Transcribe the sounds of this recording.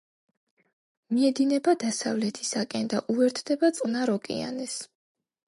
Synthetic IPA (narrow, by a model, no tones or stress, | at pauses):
miɛd̪inɛbad̪asavlɛt̪ʰi̥sakʼɛnd̪aʔuɛɾt̪ʰd̪ɛbat̪sʼqʼnaɾɔkʼḭa̰nɛs